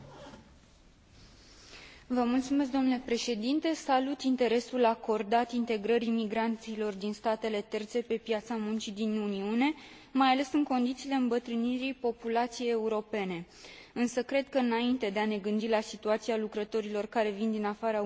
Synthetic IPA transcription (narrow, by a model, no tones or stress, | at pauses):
vəmult̪sume̞s̬k̚d̪o̞mnulepɾe̞ʃe̞d̪int̪e̞salut̪int̪e̞ɾe̞sulako̞rd̪at̪int̪e̞ɡɾəɾimiɡɾant̪silo̞rd̪inst̪at̪e̞le̞t̪e̞rt̪se̞pe̞pjat̪samunt͡ʃid̪inuniune̞ | majale̞sɨŋko̞nd̪it̪siːle̞ɨmbət̪ɾɨniɾijpo̞pulat̪sije̞je̞uɾo̞pe̞ne̞ | ɨnsəkɾe̞d̪̚kəɨnaint̪e̞d̪e̞ane̞ɡɨnd̪ilasit̪uat̪sialukɾət̪o̞ɾilo̞rkaɾe̞vind̪inafaɾa